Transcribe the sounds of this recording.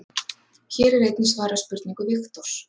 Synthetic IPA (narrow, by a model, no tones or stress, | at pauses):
çɛːɾɛɾejt̪nɪsvaːɾaspʏɾt̪niŋkʏvɪxt̪oɾ̥